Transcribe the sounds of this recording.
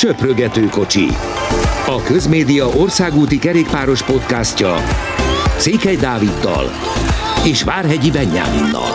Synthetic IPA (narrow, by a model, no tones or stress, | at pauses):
t͡ʃøprøɡɛt̪øːko̞t͡ʃḭ | ɒkø̞zmeːd̪ijɒʔo̞rsaːɡuːt̪ikɛɾeːk̚paːɾo̞ʃpo̞t̪kascɒ | t̪seːkhɛjd̪aːvid̪ːɒ̰l | eːʃʋaːrɦɛɟibɛɲːa̰ːmṵnːɒ̰l